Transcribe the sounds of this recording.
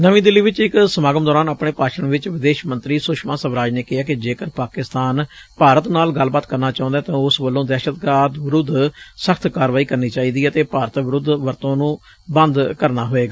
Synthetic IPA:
nəʋĩːd̪ɪlːiːʋɪt͡ʃɪksəmaːɡəmd̪ɔːɾaːnapɳeːpaːʃəɳʋɪt͡ʃʋɪd̪eːʃmə̃nt̪ɾiːsʊʃmãːsəbɾaːd͡ʒneːkɪɦaːkɪd͡ʒeːkəɾpaːkɪst̪aːnpaːɾət̪naːlɡəlːbaːt̪kəɾnaːt͡ʃãːʊ̃nd̪aːt̪ãːʊsʋəlːõːd̪ɛːʃət̪ɡaːt̪ʋɪɾʊd̪səkʰt̪ʰkaːɾʋaːiːkəɾniːt͡ʃaːiːd̪iːɛt̪eːpaːɾət̪ʋɪɾʊd̪ʋəɾt̪õːnũː | bə̃nd̪kəɾnaːɦoːeːɡaː

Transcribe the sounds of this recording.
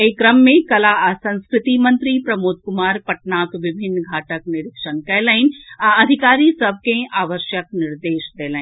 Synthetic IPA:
ekɾɐmːẽkɐlasɐ̃nskɾɪt̪imɐ̃nt̪ɾipɾɐmoːt̪̚kʊmaːɾpɐʈnaːkʋɪbʱɪnːɡʱaːʈəknɪɾɪkʃənkɐlaɦɪnãɐd̪ʱɪkaːɾisɐb̚ʱkẽʔaːʋəɾʃjək̚nɪɾd̪eːʃd̪eːlaɦĩ

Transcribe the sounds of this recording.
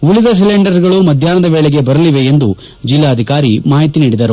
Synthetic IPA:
ulid̪ɐs̬ileɳɖɐɾɡɐɭumɐd̪ʱjaːnɐd̪ɐʋeːɭeɡe̞bɐɾɐliʋe̞end̪u | d͡ʒilːaɐd̪ʱikaːɾimaːɦit̪iniːɽid̪ɐɾu

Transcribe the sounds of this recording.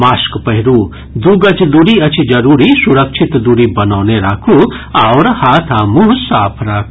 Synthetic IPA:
maːskpɐɦiɾu | d̪uɡɐt͡ʃd̪uɾiɐt͡ʃʰid͡ʒɐɾuːɾisuɾɐkt͡ʃʰit̪d̪uɾibɐnaːwneɾaːkʰuawɾhaːt̪ʰaːmusaːpʰɾaːkʰu

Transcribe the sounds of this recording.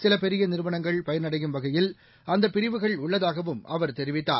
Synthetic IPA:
sɪlɐpɛɾɪjɐnɪɾɯʋɐnɐŋɡɐɭpɐjɐɾnɐɽɐjɯmʋɐɣɐjɪl | ɐnd̪ɐpːɪɾɪʋɯɣɐɭʊɭːɐðaːɣɐʋɯmɐʋɐɾt̪ɛɾɪʋɪt̪ːa̰ː

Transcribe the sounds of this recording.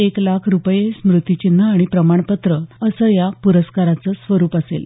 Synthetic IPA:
eklakʰɾupəjesmɾut̪jut͡ɕin̤ːəaɽ̃ipɾəmaɳ̃pət̪ɾəəsəːjapuɾəskaɾat͡səːsʋəɾuːpəsḛl

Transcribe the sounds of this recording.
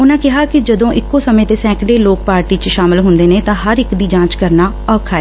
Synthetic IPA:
ʊnãːkɪɦaːkɪd͡ʒəd̪õːʔɪkːoːsəmẽːt̪eːsɛ̃ːkɖeːloːkpaːɾʈiːt͡ʃʃaːmɪlɦʊnd̪eːneːt̪ãːɦəɾɪkd̪iːd͡ʒãːt͡ʃkəɾnaː | ɔːkʰaːɛː

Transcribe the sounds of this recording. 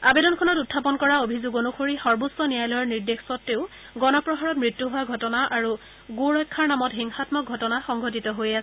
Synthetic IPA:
abedɔnkʰɔnɔtutʰːapɔnkɔɹaobʱizoɡonuxʰoɹixɔɹbusːɔnijajlɔjɔɹniɹdexsɔtːeʊ | ɡɔnɔpɹɔɦaɹɔtmɹitːuɦʊwaɡʱɔtɔnaʔaɹu | ɡuɹɔjkʰːaɹnamɔtɦiŋxatmɔk̚ɡʱɔtɔnaxɔŋɡʱɔt̬itɔɦojasɛ

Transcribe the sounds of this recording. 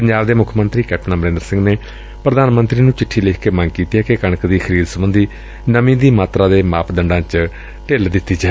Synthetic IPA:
pəɲd͡ʒaːbd̪eːmʊkʰmənt̪ɾiːkɛːp̚ʈnãːməɾẽːnd̪əɾsɪ̃ŋɡneː | pɾəd̪aːnmənt̪ɾiːnũːt͡ʃɪʈʰːiːleːkʰkeːmə̃ŋɡkiːt̪iːɦɛːkekəɳ̃əkd̪iːxʰəɾiːd̪səbənd̪iː | nəmĩːd̪iːmaːt̪ɾaːd̪eːmaːpʰd̪əɳɖãːt͡ʃ | ʈeːld̪ɪt̪ːiːd͡ʒaː

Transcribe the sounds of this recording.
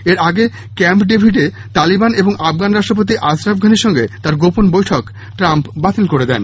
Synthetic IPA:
eɾaɡe | kɛmpɖibʱiʈe | t̪alibaneboŋafɡanɾaʃʈɾop̬ot̪̬iʔasɾabɡʱaneɾʃɔŋɡet̪aɾɡoponbojʈʰok | ʈɾampbat̪ilkoɾed̪ɛ̰n

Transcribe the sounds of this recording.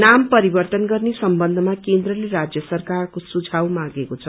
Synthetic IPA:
nampʌɾibʌrt̪ʌnɡʌrnesʌmbʌnd̪ʱʌmakend̪rʌleɾad͡zjʌsʌrkarkosud͡zʱawmãɡekot͡sʰʌ

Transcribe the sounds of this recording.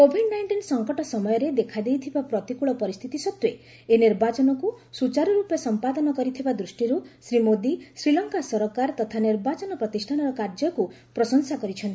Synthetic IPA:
kobʱinɖnajɳʈinsɔŋkɔʈɔsɔmɔjɔɾed̪ekʰad̪ejt̪ʰibapɾɔt̪ikuɭɔpɔɾist̪ʰit̪isɔt̪we | eniɾbat͡ʃɔnɔkusut͡ʃaɾɔɾupjɔsɔmpad̪ɔnɔkɔɾit̪ʰibad̪ɾusʈiɾusɾimod̪isɾilɔŋkasɔɾɔkaɾt̪ɔt̪ʰaniɾbat͡ʃɔnɔpɾɔt̪isʈʰanɔɾɔkaɾd͡ʒɔku | pɾɔsɔŋsakɔɾit͡ʃʰɔnt̪i

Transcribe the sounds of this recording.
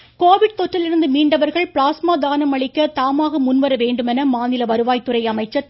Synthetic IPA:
koːʋɪɽt̪ɔʈrɪlɪɾɯnd̪ɯmiːɳɖɐʋɐɾɣɐɭpɭaːsmaːd̪aːnɐmɐɭɪkːɐt̪aːmaːɣɐmʊnʋɐɾɐʋeːɳɖɯmɛnɐmaːnɪlɐʋɐɾɯʋaːjt̪ːɯrɐɪɐmɐɪt͡ʃːɐ

